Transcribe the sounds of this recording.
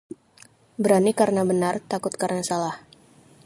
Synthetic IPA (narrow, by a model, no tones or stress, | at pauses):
bəɾanikarnabənart̪akʊt̪̚karənasalah